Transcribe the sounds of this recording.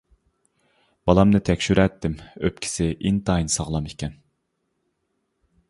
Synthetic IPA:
b̥ɑlˠɑmnɨt̪ʰɛkʲʃyɾɛt̪ːɪmøp̚kʲʰi̥sɪʔint̪ɑːjinsɑʁlˠɑmekʲʰɛn

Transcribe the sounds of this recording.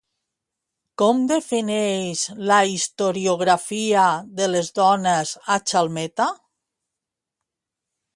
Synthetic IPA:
kɔmd̪efinejzlaist̪oɾioɣ̞ɾafiaðelezd̪ɔnezat͡ʃalˠmet̪a

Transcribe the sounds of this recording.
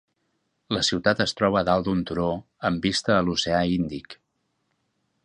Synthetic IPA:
ləsiwt̪at̪əst̪ɾɔβ̞əːðalˠd̪unt̪uɾo | əmbist̪əːluseaind̪ik

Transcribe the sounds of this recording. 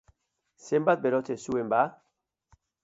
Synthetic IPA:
sembat̪̚beɾot͡sesuemba

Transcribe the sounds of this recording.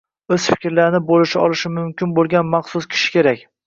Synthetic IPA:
ɵz̥fɪ̥kʲɾlaɾɪnɪbolɪʃɪɒlˠɪʃɪmʊmkʲɪnbolˠɡʲanmɑχsʊskʲʰɪ̥ʃɪ̥kʲe̞ɾakʲ

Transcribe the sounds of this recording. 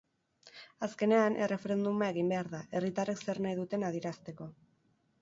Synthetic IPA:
aske̞ne̞anʔe̞re̞fe̞ɾe̞nd̪umae̞ɣ̞imbe̞aɾðae̞rit̪arekse̞ɾnajðut̪e̞nað̞iɾast̪e̞ko̞

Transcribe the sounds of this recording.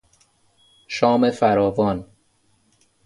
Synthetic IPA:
ʃɒːmefæɾɒːvɒːn

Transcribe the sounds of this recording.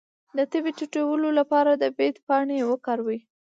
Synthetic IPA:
d̪ət̪əbet͡ʃuʈawəlolapɑɾad̪əbed̪pɑɳewəkɑɾwi

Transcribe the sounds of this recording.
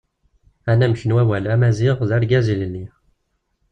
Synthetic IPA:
ænæmçənwæwælæmæziʁzæɾɡæzillːi

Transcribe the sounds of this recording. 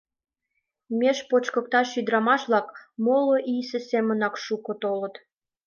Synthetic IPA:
mʲeʃpot͡ɕkək̚t̪ɑʃyd̪ɾɑmɑʃβlɑkmoloʔijsesemənɑkʃukət̪olət̪

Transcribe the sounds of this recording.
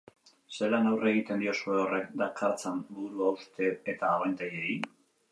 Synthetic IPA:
se̞lanawre̞ɣit̪e̞nd̪io̞sue̞o̞re̞kd̪akaɾt͡sembuɾuaust̪e̞ːt̪aːβent̪ajei

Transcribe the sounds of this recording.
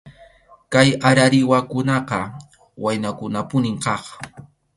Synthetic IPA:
kajaɾaɾɪwakʊnɑqɑ | wajnakʊnapʊnɪŋkɑχ

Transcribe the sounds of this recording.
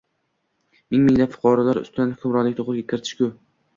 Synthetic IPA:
mɪŋmɪŋlapfʊ̥qʰɒɾalaɾʊ̰st̪lanɪkʰʊbɾɒnlɪk̚ʲt̪ʰoʁɾɪɡʲakʲʰɪɾɪt̪ʰɪ̥ʃkʲʊ

